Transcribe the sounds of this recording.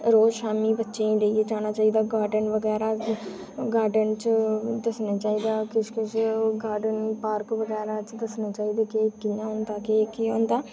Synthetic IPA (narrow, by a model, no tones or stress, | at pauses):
ɾoːd͡ʒʃaːmiːbətːʃẽːĩːləieːd͡ʒaːñaːt͡ʃaːiːd̪aːɡaːɾɖənʋəɡɛːɾaː | ɡaːɾɖənt͡ʃəd̪əsnaːt͡ʃaːiːd̪aːkɪʃkɪʃɡaːɾɖənpaːɾkʋəɡɛːɾaːt͡ʃd̪əsnaːt͡ʃaːiːd̪eːkɪkːɪãːɦõːnd̪aːkɪkiõːnd̪aː